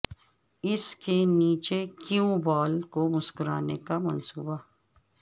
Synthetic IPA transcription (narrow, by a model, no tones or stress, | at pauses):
ɪskeniːt͡ʃekiũbaːlkomʊskʊɾa̰ːnekamɐnsuːba